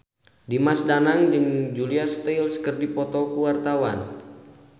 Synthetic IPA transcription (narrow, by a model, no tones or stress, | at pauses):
dimasdanaŋd͡ʒɨŋd͡ʒuliast̪elskərdipɔt̪ɔkuwart̪awan